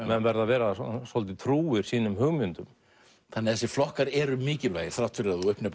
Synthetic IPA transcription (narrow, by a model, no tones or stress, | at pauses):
mɛnvɛɾðavɛːɾaɔsɔlt̪̬ɪt̪ʰɾuːɪɾ̥siːnʏmɦʏɣmʏnt̪ʏm | θanːɪθɛsːɪflɔhkaɾɛɾʏmɪːcɪlvaːjɪθɾawht̪ʏɾɛðɔʏhpnɪp